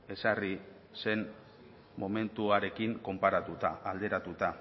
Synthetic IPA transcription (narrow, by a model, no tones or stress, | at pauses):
e̞sari | se̞n | mo̞me̞nt̪uaɾe̞kiŋko̞mpaɾat̪ut̪aːld̪e̞ɾat̪ut̪a